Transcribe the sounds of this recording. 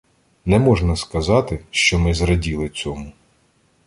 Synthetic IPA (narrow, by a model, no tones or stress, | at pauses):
nɛmɔʒnɐskɐzɑt̪ɪʃt͡ʃɔmɪzɾɐdʲilˠɪt͡sʲɔmʊ